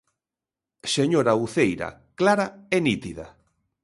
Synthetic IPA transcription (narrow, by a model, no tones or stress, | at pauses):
seɲoɾauθejɾa̰klaɾaenit̪iða̰